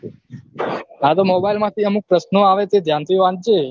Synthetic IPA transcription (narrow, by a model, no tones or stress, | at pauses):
at̪omobajlmãt̪ʰiəmuk̚pɾəsnoaʋet̪ed̪ʱjant̪ʰiʋãt̚d͡ʒe